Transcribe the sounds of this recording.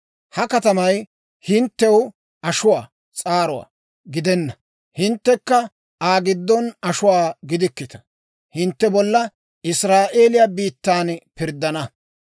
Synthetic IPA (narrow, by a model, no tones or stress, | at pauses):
hɐkɐt̪ɐmɐj | hɪnt̪ːɛw | ɐʃʊwaː | t͡sʼaːɾʊwa̰ː | ɡɪd̪ɛnːɐ | hɪnt̪ːɛkːɐ | aːɡɪd̪ːɔnɐʃʊwaːɡɪd̪ɪkːɪt̪ɐ̥ | hɪnt̪ːɛbɔlːɐ | ɪsɾaːʔe̞ːlɪjabiːt̪ːaːnpɪɾd̪ːɐnɐ